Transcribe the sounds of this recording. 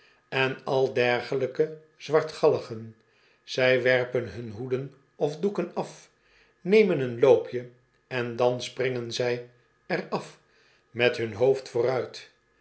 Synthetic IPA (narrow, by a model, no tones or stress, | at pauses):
ɛnɑlˠdɛɹχələkə | z̥ʋɑɹtχɑləχən | z̥ɛjʋɛɹpənɦɵnɦudən | ɔvdukənɑf | nejmənɦənlowpʰjə | ɛndɑnsprɪŋənzɛj | ɛrɑf | mɛtɦɵnɦoʊftfʊːrœɥt